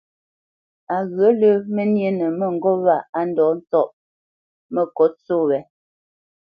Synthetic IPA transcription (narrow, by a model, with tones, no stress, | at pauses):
a˨ɣɰə˨˦lə˦mə˦nje˦nə˨mə˨ŋ̩˨ɡɔ˦βa˦˨a˦n˦dɔː˨˦n̩˦t͡sɔ˦ʔ | mə˨kɔ˨˦t͡so˦˨wɛ˨˦